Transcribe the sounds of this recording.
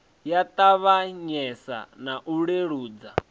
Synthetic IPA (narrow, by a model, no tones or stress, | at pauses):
jat̪ʼaβaɲɛsa̰naʔuɺeɺuːd͡za